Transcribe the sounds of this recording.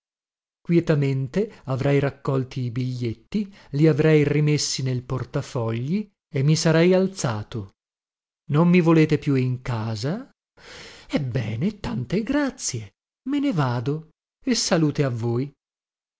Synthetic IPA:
kwjɛt̪ament̪eavɾɛjɾakːɔlt̪ʰiːbiʎːet̪ːi | liavɾɛjrimesːinelport̪afɔʎːi | emːisaɾɛjalt̪saːt̪o | nomːivoleːt̪epjuiŋkaːza | ɛbːɛːnet̪ant̪eɡɾat̪sje | menevaːd̪o | esːaluːt̪eavːoːj

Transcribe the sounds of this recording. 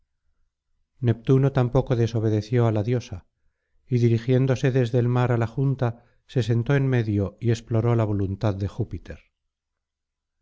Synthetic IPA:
ne̞p̚t̪uno̞t̪ampo̞ko̞ðe̞so̞β̞e̞ðe̞θjo̞alaðjo̞sa | iðiɾixje̞nd̪o̞se̞ðe̞zðe̞ːlmaɾalaxunt̪a | se̞s̬e̞nt̪oenme̞ðjo̞ie̞splo̞ɾo̞laβ̞o̞lunt̪aðːe̞xupit̪e̞ɾ

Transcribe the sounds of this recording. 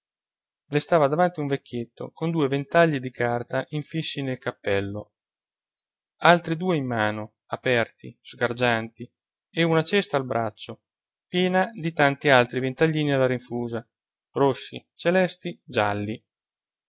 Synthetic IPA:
lest̪aːvad̪avant̪iuɱvekʲːjet̪ːo̰kond̪uːevent̪aʎːid̪ikart̪aʔiɱfisːinelkapːɛlːo | alt̪ɾid̪uːeimːaːno | apɛrt̪iz̥ɡard͡ʒant̪i | eunat͡ʃɛst̪aːlbɾʔat͡ʃːo | pjɛːnad̪it̪ant̪ialt̪ɾivent̪aʎːiːnialːaɾiɱfuːza | rosːḭt͡ʃelɛst̪id͡ʒa̰lːi

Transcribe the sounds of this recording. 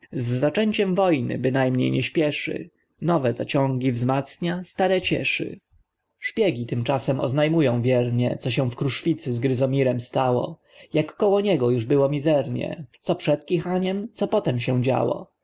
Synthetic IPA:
zːat͡ʂɛɲt͡ɕɛmvɔjnɘ̰bɘnajmɲḛjɲɛɕpʲjɛʂɘ̰ | nɔvɛza̰t͡ɕɔ̃ŋɡʲivzmat̪sɲast̪aɾɛt͡ɕɛ̰ʂɘ̰ | ʂpʲjɛɡʲit̪ɘmt͡ʂasɛmʔɔ̰znajmujɔ̃w̃vʲjɛɾɲɛ̰t̪sɔɕ̬ɛ̃w̃fkɾuʂfʲit̪sɘzɡɾɘzɔmʲiɾɛmst̪awɔ̰ | jakːɔwɔɲɛɡɔjuʐbɘwɔmʲizɛɾɲɛ̰t̪ɔpʂɛt̪kʲixaɲɛmt̪sɔpɔt̪ɛmɕɛw̃d͡ʑa̰wɔ̰

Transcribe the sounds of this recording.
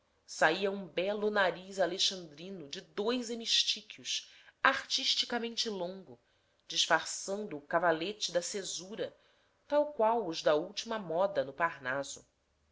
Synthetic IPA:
saiɐũbɛlʊnaɾizaleʃɐ̃nd̪ɾĩnʊd͡ʒɪd̪ojzemiʃt͡ʃikjʊʃ | aχt͡ʃiʃt͡ʃikamẽnt͡ʃɪlõŋɡʊ | d͡ʒɪʃfaɾsɐ̃nd̪ʊːkavalet͡ʃɪd̪ɐsezuɾɐ | t̪awkwawʊzd̪ɐuwt͡ʃimɐmɔd̪ɐnʊpaɾnazʊ̰

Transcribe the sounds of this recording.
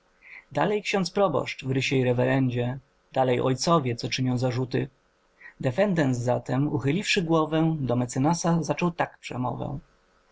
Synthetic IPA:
d̪a̰lɛjkɕɔnt̪spɾɔbɔ̰ʂt͡ʂvɾɘɕɛiɾɛvɛɾɛɲd͡ʑɛ | d̪̥alɛjʔɔ̰jt̪sɔvʲjɛt̪sɔt͡ʂɘɲɔ̃w̃zaʐut̪ɘ | d̪ɛfɛnd̪ɛnsza̰t̪ɛmuxɘlʲifʂɘɡwɔvɛd̪ɔmɛt̪sɛnasazat͡ʂɔwt̪akpʂɛ̰mɔ̰vɛ̰̃

